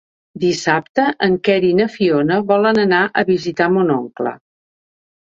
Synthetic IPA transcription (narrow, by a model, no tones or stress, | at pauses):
d̪isapt̪əʔəŋkɛɾinəfionəβɔlənənaʔəβizit̪amonɔŋklə̰